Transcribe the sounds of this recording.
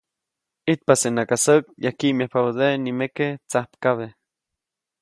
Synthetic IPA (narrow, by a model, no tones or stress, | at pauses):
it̪̚pasenakasək̚jahkimjahpaβoðenimeket͡sahpkaβe